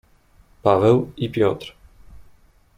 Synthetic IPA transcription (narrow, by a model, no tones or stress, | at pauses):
pavɛwipʲjɔt̪ɾ